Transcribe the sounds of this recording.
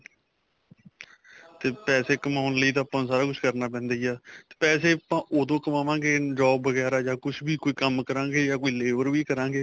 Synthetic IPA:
t̪eːpɛːseːkəmaːʊnləiːt̪ãːpãːsaːɾaːkʊt͡ʃʰkəɾnaːp̬ɛ̃ːnd̪eːiaːt̪e̥ːpɛːseːpãːʔoːd̪õːkəmaːʋãːɡeːd͡ʒɔːbːəɡɛːɾaːjaːkʊʃʰbiːkoːiːkəmkəɾãːɡeːjaːkoːiːleːʋəɾbiːkəɾãːŋɡeː

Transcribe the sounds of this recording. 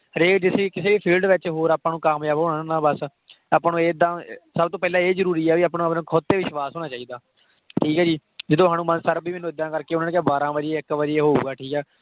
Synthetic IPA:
ɾeːd͡ʒɪseːkɪseːʋiːpʰiːlɖʋɪt͡ʃɦoːɾaːpãːnũːkəmjaːʋoːnanãːbəs | apaːnũːeːd̪ãːsəbt̪õːpɛːlãːeːzəɾuːɾiːɛːʋiːəːpnõːəpnõːkʰot̪ːeːʋɪʃʋaːsɦoːɽ̃aːt͡ʃaːiːd̪aː | ʈʰiːkɛːd͡ʒiː | d͡ʒɪd̪õːɦaːñũːmənsəɾbiːmɛːnũːɪd̪ːãːkəɾkeːʊnaːneːkjaːbaːɾãːʋəd͡ʒieːɪkʋəd͡ʒieːɦoːṵːɡaːʈʰiːkɛː

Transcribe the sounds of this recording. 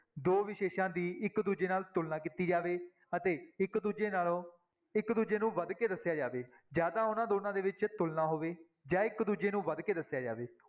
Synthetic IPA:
d̪oːʋɪʃeːʃãːd̪iːɪkd̪uːd͡ʒeːnaːlt̪ʊlnaːkiːt̪iːd͡ʒaːʋeː | ət̪eːɪkd̪uːd͡ʒeːnaːlõː | ɪkd̪uːd͡ʒeːnũːʋəd̪keːd̪əsːjaːd͡ʒaːʋeː | d͡ʒjaːd̪aːʊnãːd̪oːnãːd̪eːʋɪt͡ʃt̪ʊlnaːɦoːʋeː | d͡ʒãːɪkd̪uːd͡ʒeːnũːʋəd̪keːd̪əsːjaːd͡ʒa̰ːʋeː

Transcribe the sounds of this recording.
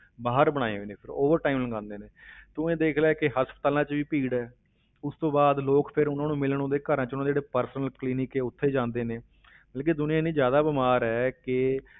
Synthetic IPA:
baːɦəɾbəɽ̃aːḛɦoːneːpʰɪɾoːʋəɾʈaːiːmləŋɡãːnd̪eːneːt̪ʊ̃ẽːd̪eːkʰlaːkɪɦəspət̪aːlãːt͡ʃʋiːpiːɽɛː | ʊst̪õːbaːd̪loːkpʰɪɾʊnãːnũːmɪlɳõːd̪eːkəɾãːt͡ʃnãːd͡ʒeːɽeːpəɾsnəlkliːnɪkeːʊt̪ʰːeːd͡ʒãːnd̪eːneː | bəlk̬ed̪ʊnɪjãːnĩːzjaːd̪aːbɪmaːɾɛːkɪ

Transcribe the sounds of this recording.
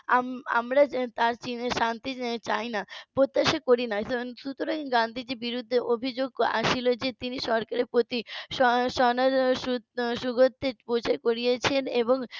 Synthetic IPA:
ama̰mɾat̪aɾt͡ɕineʃant̪it͡ɕajnapɾot̪ːaʃakoɾinaʃut̪oɾaŋɡand̪ʱid͡ʑebiɾud̪ʱːeʔobʱid͡ʑoɡ̚a̰ʃilod͡ʑet̪iniʃɔɾkaɾepɾot̪iʃɔʃɔnaɾʃuʃuɡʱot̪ːepot͡ɕʰaekoɾijet͡ɕʰeneboŋ

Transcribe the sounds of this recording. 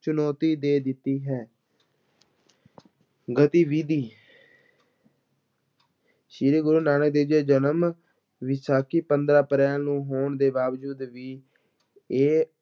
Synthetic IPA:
t͡ʃʊnɔːt̪iːd̪eːd̪ɪt̪ːiːɦɛː | ɡət̪iːʋiːd̪iː | ʃiːɾeːɡʊɾuːnaːnəkd̪eːd͡ʒeːd͡ʒənəm | ʋɪsaːkʰiːpənd̪ɾaːpəɾɛːlnũːɦoːɳd̪eːbaːʋd͡ʒuːd̪ʋiː | eː

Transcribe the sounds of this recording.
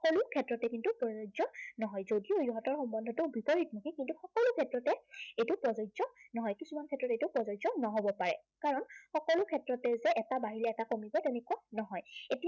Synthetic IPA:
kɔlʊkʰɛtɹɔtɛkintupɹɔzɔzɔnɔɦɔjzodiojuɦɔtɔɹxɔmbɔndʱɔtʊbipɔɹitnɔkikintuxɔkɔlʊkʰɛtɹɔtɛejtʊpɹɔzɔzɔnɔɦɔjkisumankʰɛtːɹɔtejtʊpɹɔzɔjzɔnɔɦobɔpaɹɛ̰ | kaɹɔnxɔkɔlʊkʰɛtɹɔtɛzɛʔɛtabaɦilɛɛtakomibɔtɛnɛkuanɔɦɔjetia

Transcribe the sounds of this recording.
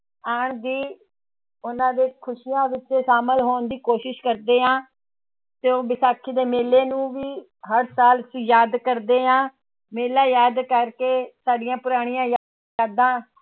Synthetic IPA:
aːɳd̪iː | ʊnãːd̪eːkʰʊʃijãːʋɪt͡ʃeːsaːməlɦoːnd̪iːkoːʃɪʃkəɾd̪eːɦãː | t̪eõːbɪsaːkʰiːd̪eːmeːleːnũːʋiː | ɦəɾsaːlsjaːd̪kəɾd̪eːãː | meːlãːjaːd̪kəɾkeːsaːɖɪjãːpʊɾaːɽ̃ijãːjaː | əɾd̪ãː

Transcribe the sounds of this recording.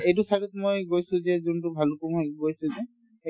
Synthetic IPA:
ejt̬usʰalitmojɡojsʊ̃zɛzuntʊbʱalukumɦojɡojsʊzɛ

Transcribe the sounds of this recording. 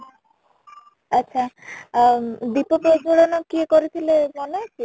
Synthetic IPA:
atːʃʰa | d̪ipɔpɔd͡ʒoɽɔnɔkiekɔɾit̪ʰilebɔnekʰi

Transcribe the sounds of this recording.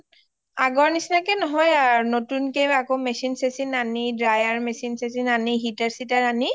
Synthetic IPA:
aɡɔɹnisnakɛnɔɦɔjaɹnotunkejakomɛsinsesinanidɹajaɹmɛsinsesinaniɦitɛɹsitaɹani

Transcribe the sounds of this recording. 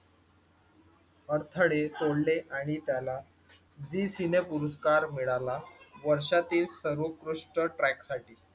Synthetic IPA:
əɾt̪ʰəɽet̪oɽleʔaɽ̃it̪jala | d͡zisinepuɾuskaɾmiɭalaʋəɾʂat̪iːlsəɾukɾuʂʈəʈɾæksaʈiː

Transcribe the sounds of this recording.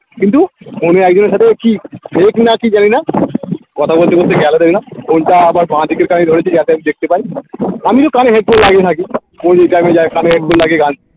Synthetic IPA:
kint̪uhoneɛk̚d͡ʑoneɾʃat̪ʰekifʰeknakid͡ʑanina | kɔt̪ʰabolt̪ekoɾt̪ʰeɡɛlod̪eɾinaɡonʈaabaɾbãt̪ikeɾkanid̪ʱoɾet͡ɕʰid͡ʑɛt̪eamid̪ek̚ʰt̪epaiamit̪okaneɦeʈ̚bʰollaɡit̪ʰaki | kod͡ʑejʈajmed͡ʑaekaneɦeʈ̚bollaɡeɡãn

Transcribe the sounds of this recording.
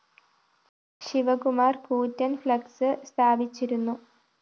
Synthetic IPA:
ɕiʋɐkumaːrkuːtːɐnflɐksɨst̪ʰaːbit͡ɕːiɾunːu

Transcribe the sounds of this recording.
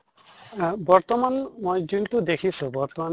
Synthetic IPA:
bɔɾt̪ɔmanmojɡint̪ud̪ekʰisubɔɾt̪ɔman

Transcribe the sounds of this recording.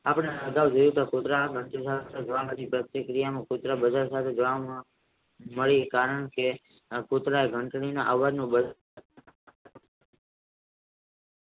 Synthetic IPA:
apɳeaɡ̪aʋd͡ʒəjut̪akut̪ɾaɡʱəɳʈesaed͡ʒəʋaməɾipɾət̪jəkɾijamãkut̪ɾabəd͡ʒaɾsat̪ʰed͡ʒəʋamã | məɭikaɾəɳke | kut̪ɾaeɡʱəɳʈninaʔaʋʋad̪nũbəd͡ʒa

